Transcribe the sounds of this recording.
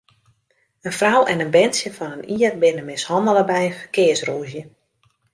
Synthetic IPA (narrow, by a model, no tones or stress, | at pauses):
ənfrawʔɛnənbɛnsjəfɔnəniərbɪnəmɪshɔndəlˠəbɛjfəkɪəsruːzjə